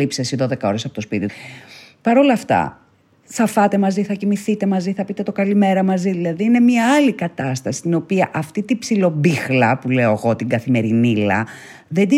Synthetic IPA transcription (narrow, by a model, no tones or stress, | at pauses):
ipsesiðo̞ðe̞kɐo̞ɾesɐpo̞t̪o̞spit̪i | pɐɾo̞lɐft̪ɐ̰ | θɐfɐt̪e̞mɐziθɐcimiθit̪e̞mɐziθɐpit̪e̞t̪o̞kɐlime̞ɾɐmɐziðilɐðiːne̞mɲɐɐlikɐt̪ɐst̪ɐsi̥t̪ino̞piɐʔɐft̪it̪ipsilo̞bixlɐpule̞o̞eɣo̞t̪iɡɐθime̞ɾinilɐ̰ | ðe̞d̪i